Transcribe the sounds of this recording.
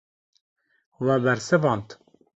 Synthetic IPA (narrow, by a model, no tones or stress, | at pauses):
wɛbɛɾsɨvɑːnt̪